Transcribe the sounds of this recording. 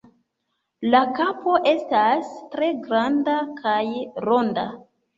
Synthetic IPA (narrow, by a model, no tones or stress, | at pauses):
lakapo̞ʔe̞stastɾe̞ɡɾandakʰajɾo̞nda̰